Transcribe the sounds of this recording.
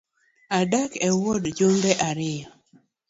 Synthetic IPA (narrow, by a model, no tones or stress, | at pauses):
adakɛwɔdd͡ʒombɛʔaɾɪjɔ